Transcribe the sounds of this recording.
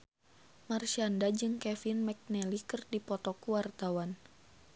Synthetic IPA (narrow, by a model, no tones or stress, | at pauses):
marʃiandad͡ʒɨŋkɛfinmɛk̚nɛlikɨrdipɔt̪ɔkuwart̪awan